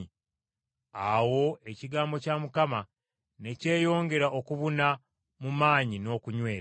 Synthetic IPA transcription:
awo̞e̞ciɡaːmbo̞camukama | ne̞ce̞ːjo̞ːŋɡe̞ɾaʔokuβuna | mumaːɲino̞ːkuɲwe̞ːɾa

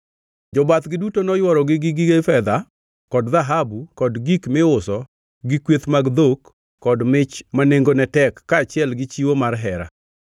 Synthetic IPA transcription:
d͡ʒɔbat̪ɡɪdutonɔjwɔɾɔɡɪɡɪɡɪɡefɛd̪a | kɔdðaɦabukɔdɡikmɪʊsɔ | ɡɪkwet̪maɡd̪okː | ɔdmɪt͡ʃmaneŋɡonɛtɛkːaːt͡ʃɪɛlɡɪt͡ʃiwomarɦɛɾa̰

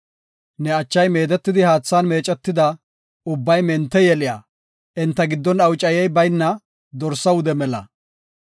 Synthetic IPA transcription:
nɛɐt͡ʃːɐjme̞ːd̪ɛt̪ːɪd̪ɪhaːt͡sːaːnme̞ːt͡ʃʼɛt̪ːɪd̪ɐ | ʊbːɐjmɛnt̪ːɛjɛlɪja̰ː | ʔɪnt̪ːɐɡɪd̪ːɔnɐwt͡ʃʼɐjɛjbɐjnːɐ | d̪ɔɾsːɐwʊd̪ɛmɛlɐ̰

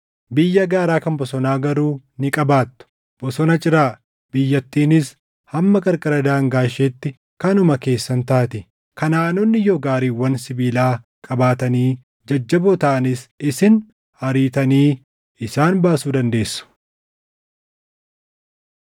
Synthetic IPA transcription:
bɪjːɐɡaːɾaːkɐnbɔsɔnaːɡɐɾuːnɪkʼɐbaːt̪ːʊ̥ | b̥ɔsɔnɐt͡ʃʼɪɾaː | bɪjːɐt̪ːiːnɪs | hɐmːɐkʼɐɾkʼɐɾɐd̪aːŋɡaːʃeːt̪ːɪ | kɐnʊmɐke̞ːsːɐnt̪aːt̪ɪ | kɐnaːnɔnːɪjoːɡaːɾiːwːɐnsɪbiːlaː | kʼɐbaːt̪ɐniː | d͡ʒɐd͡ʒːɐbot̪aʔɐnɪsɪsɪn | hɐɾiːt̪ɐniː | ɪsaːnbaːsuːd̪ɐnd̪e̞ːsːʊ̥

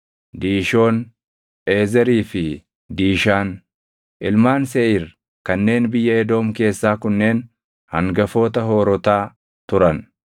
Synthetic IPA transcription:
d̪iːʃo̞ːn | ʔe̞ːzɛɾiːfɪ | d̪iːʃaːn | ʔɪlmaːnsɛʔiːɾ | kɐnːe̞ːnbɪjːɐɛd̪o̞ːmke̞ːsːaːkʊnːe̞ːn | hɐŋɡɐfo̞ːt̪ɐɦo̞ːɾɔt̪aː | t̪ʊɾɐn

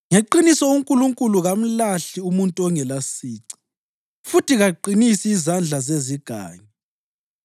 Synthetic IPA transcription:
ŋeǃinisɔuŋkʼuluŋkʼuluɣam̩laɬiumuntʼɔŋɛlasiːǀi̥ | futʰiɣaǃinisiːzand͡ɮʱazeziɡ̥ʱa̰ːɲɛ

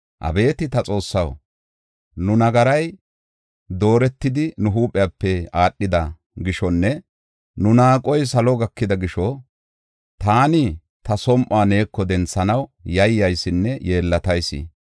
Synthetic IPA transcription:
ʔɐ̰be̞ːt̪ɪt̪ɐt͡sʼo̞ːsːɐw | nʊnɐɡɐɾɐj | d̪o̞ːɾɛt̪ːɪd̪ɪnʊɦuːpʼːɪjaːpːɛaːɗːɪd̪ɐ | ɡɪʃɔnːɛ | nʊnaːkʼɔjsɐlɔɡɐkːɪd̪ɐɡɪʃɔ | t̪aːnɪ | t̪ɐsɔmʔaːne̞ːkːɔd̪ɛnt͡sːɐnɐwjɐjːɐjsːɪnːɛje̞ːlːɐt̪ɐjsːḭː

